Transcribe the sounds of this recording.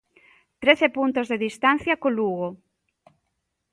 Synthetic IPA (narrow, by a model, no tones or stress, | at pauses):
t̪ɾeθepunt̪ozðeðist̪an̟θjɐkoluɣo